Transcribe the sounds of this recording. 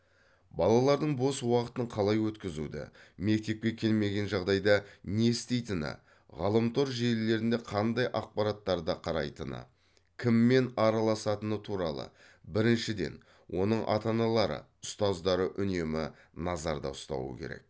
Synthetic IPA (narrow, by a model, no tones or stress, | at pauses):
bɑlˠɑlˠɑɾd̪əɴbo̞swɑqə̥t̪əɴqʰɑlˠɑjwɵt̪kʲɪzṵd̪ɪ̰me̞k̚t̪e̞p̚kʲe̞kʲʰe̞lme̞ɡʲe̞nʒɑʁd̪ɑjd̪ɑnest̪e̞jt̪ɪnɪ̰ | ʁɑlˠəmt̪ʰo̞ɾʒelle̞ɾɪnd̪e̞qʰɑnd̪ɑjʔɑq̚pɑɾɑt̪ːɑɾd̪ɑqʰɑɾɑ̰jt̪ənə̰ | kʲʰɪmːe̞nɑɾɑlˠɑsɑt̪ənət̪ʰuɾɑlˠə̰ | bɪɾɪnʃɪd̪e̞̰n | wʔo̞̰nəɴʔɑ̰t̪ɑnɑlˠɑɾə̰ | ʊst̪ɑzd̪ɑɾəʔʏne̞mɪ | nɑzɑ̰ɾd̪ɑ̰ʊst̪ɑ̰wə̰kʲʰe̞̰ɾe̞̰k̚